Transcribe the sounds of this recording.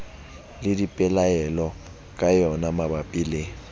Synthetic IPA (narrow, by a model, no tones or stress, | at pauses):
lɪdipʼɛlaɛlɔ | kʼajɔnamabapʼile